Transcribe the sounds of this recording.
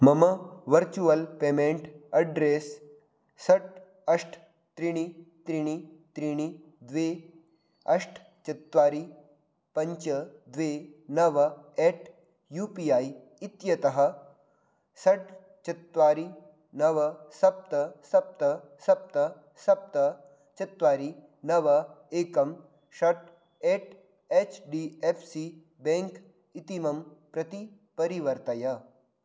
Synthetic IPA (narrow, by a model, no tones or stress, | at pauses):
məməʋəɾt͡ɕuʋəlpemeɳʈɐɖɾesː | ɐʈ̚ | ɐʂʈʰ | t̪ɾiɽ̃it̪ɾiɽ̃it̪ɾiɽ̃i | d̪ʋe | ɐʂʈʰ | t͡ɕɐt̪ʋaɾi | pɐɲt͡ɕəd̪ʋenɐʋeʈ | jupiai | it̪jɐt̪ɐɦə | sɐʈ̚ | t͡ʃɐt̪ʋaːɾi | nɐʋɐsɐp̚t̪ɐsɐp̚t̪ɐ | sɐp̚t̪ɐ | sɐp̚t̪ɐ | t͡ʃɐt̪ʋaːɾi | nɐʋɐeːkɐm | ʃɐʈ | eːʈ | eːt͡ʃɖiːeːpʰsi | bẽŋk | it̪imɐmpɾɐt̪i | pɐɾiʋɐɾt̪ɐjɐ